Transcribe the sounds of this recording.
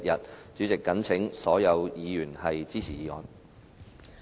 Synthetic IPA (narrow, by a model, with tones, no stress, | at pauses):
t̚jɐ˨t̚t͡ʃyː˨˥t͡sɪ˨kːɐ˨˥nt͡sʰɪ˨˥ŋsɔː˨˥jɐ˨˧wjiː˨˧jyː˨˩nhɐ˨jt͡siː˥t͡sʰiː˨˩jiː˨˧ŋɔ̰ː˨˧n